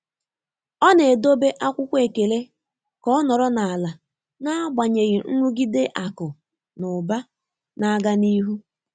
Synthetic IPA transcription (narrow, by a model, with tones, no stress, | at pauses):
ɔ˦ne˨do˦be˦ʔa˦kʷʊ˦kʷe˨ke˨le˦ | kɔ˦nɔ˨ɾɔ˦na˨a˨la˨ | na˦a˦ɡ͡ba˨ɲe˨ɣɪ˨n̩˦nu˦ɡi˦de˦ʔa˨kʊ˨ | nʊ˨ba˦ | na˦ɡa˦ni˦ɦu˦